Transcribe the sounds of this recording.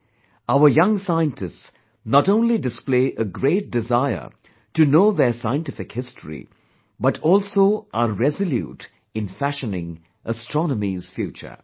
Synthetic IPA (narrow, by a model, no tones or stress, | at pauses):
aʊə˞jʌ̃ŋsaɪə̃ntʰɪsts | nɔtõʊ̃nlidɨspleɪʔəɡɾeɪt̚dɪzaɪə̰˞ | ʈɨnoːðəsaɪə̃ntɪfɪkhɪstɹḭ | bʌtʰɔːlˠsoʊʔaɾːɛzɨljṵːt | ɪ̃nfæʃənɪ̃ŋ | ʔəstɹ̥ɔnəmiz̥fjuːt͡ʃə̰˞